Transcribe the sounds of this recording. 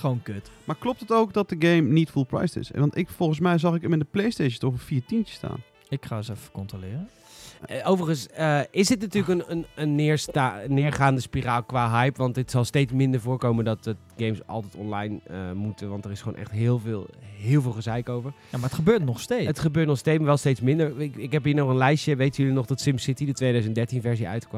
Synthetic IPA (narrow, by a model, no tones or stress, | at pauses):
χʋonkøtmaːɹklɔp̚tətowkdɑt̚dəɡejmnitfulˠpɹa̰jstɪ̰sʋɑntɪkfɔlˠχənsmɛjzɑχɪkmɪndəplejstejʃətɔχɔpfiːɹtintə̥sta̰ːn | ɪkχaːəsɛfə̥kɔntrolɪːrə | owvəɹχənsəɪsdɪtnatyːləkənənənːɪːɹstanɪːɹχaːndəspiraːlˠkʋaːɦɛjpʋɑntɪtsɑlˠstejtsmɪndəɹvʊːɹkowməndɑtətɡejmsʔɑ̰lˠtɛjtɔnlɑjnəmutəʋɑntərɪsχo̰ːnʔɛ̰χtɦɪːlˠvɪːlˠɦɪːlˠvɪːlˠχəzɛjkowvəɹjamaətχəbøːtnɔχstejətχəbøːtnɔχstejtmaːʋɛlˠstejtsmɪndəɹɪɪkɦɛpɦiːɹnɔχənlɛjʃəʋejtəjɵlinɔχdɑtsɪmsɪtidətʋejdœɥzəntdɛɹtinvɛɹziœ̰ɥtkm